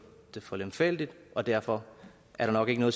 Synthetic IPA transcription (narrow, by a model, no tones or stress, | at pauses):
d̥e̝fɒlemfel̰d̥id̥ɒ̽d̥æɐfɒ̽ | ʔæɐɾ̥ɑ̈nɒ̽ɡ̥e̝ɡ̥ənɔð̩ˠ